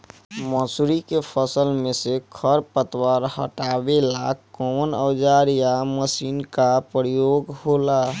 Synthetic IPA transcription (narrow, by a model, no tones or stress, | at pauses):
məsuɾikepʰəsəlmesekʰəɾpət̪waɾhə̰ʈabelakːɔnəwd͡ʒaɾjaməsinkapɾjoɡɦola